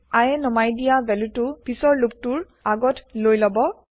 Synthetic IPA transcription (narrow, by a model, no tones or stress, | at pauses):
ajɛnɔmajdijabɛlutʊpisɔɹluk̚tuɹ | aɡɔtlojlɔbɔ